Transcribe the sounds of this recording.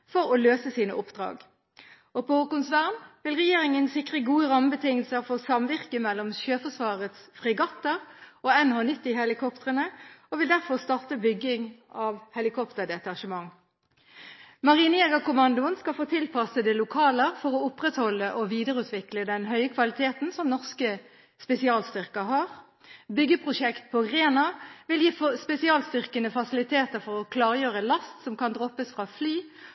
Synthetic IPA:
fɔʁɔløːsəsiːnəʔʊpd̪̥ʁɑ̰ːɡ | oːpʰookʊnsʋæʁmʋɪlʁɛjeːʁɪŋənsɪkʁəɡuːəʁɑməbət̪ʰɪŋəlsəʁfoːsɑmʋɪʁkəmɛlːɔmʃøːfɔʁsʋɑːʁət̪sfʁɪɡɑt̪ːəʁoːɛnhɑːnɪt̪ːihɛlɪkʰɔpt̪əʁənəoːʋɪld̪æʁfɔʁst̪ɑʁt̪əbʏɡɪŋɑʋhɛlɪkʰɔpt̪əʁd̪ɛt̪ɑʁʃəmɑŋ | mɑʁiːneːɡɑkʊmɑnd̪ʊənskɑlfoːt̪ʰɪlpʰɑsəd̪ɛlʊkʰɑːləʁfɔʁɔʊpʁɛt̪hɔlːəʔɔʋiːd̪əʁəʉːt̪ʋɪkləd̪ɛnɦœʏəkʰʋɑlɪt̪ʰeːt̪n̩sɔmnɔʁskə | spɛsɪɑːlst̪ʏʁkəɦɑʁ | bʏɡːəpʰʁʊʂɛkt̪pʰɔʁeːnɑʋɪljiːfspɛsɪɑːlst̪ʏʁkənəfɑsɪlɪt̪ʰeːt̪əʁfɔʁɔkʰlɑːʁəjøːʁəlɑst̪sɔmkɑnd̪ʁɔpəsfʁɑːflyː

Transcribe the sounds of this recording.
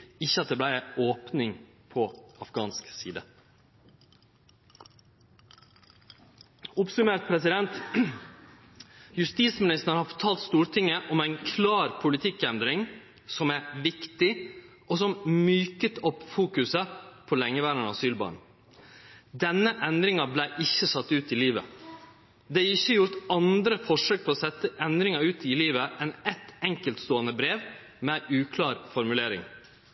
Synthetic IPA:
ɪçːəɑt̪̚d̪ɛblæɪoːpnɪŋ | pʰɔɑfɡɑ̰ːnsksiːd̪ə | ʊpsʉmeːɾʈ̪̚pʰɾɛsɪd̪ɛnt̪ | jʉst̪iːt̪smɪnɪst̪əɾhɑɾfɔt̪ʰɑːlt̪st̪uːɾʈʰɪŋːəʔɔmæɪnkʰlɑːɾpʰʊlɪt̪ʰɪkɛnd̪ɾɪŋ | sɔmæɾʋɪkt̪ɪ | ʔɔsɔmmyːkət̪ʰɔpːfuːkʉsəpʰɔlɛŋːəʋæːɾənɑ̰syːlbɑ̰ːɳ̩ | d̪ɛnːəʔɛnd̪ɾɪŋɑblæɪʔɪçːəsɑt̪ːʉːt̪ɪliːʋə̰ | d̪ɛɪçːəjʊɾt̪ɑnd̪ɾəfɔʂøːk̚pʰɔɔsɛt̪ːəʔɛnd̪ɾɪŋɑʉːt̪ɪliːʋəʔɛnɛt̪ɛŋkəlt̪st̪oːənəbɾeːʋ | mɛʔʉːkʰlɑːɾfɔɾmʉleːɾɪ̰ŋ

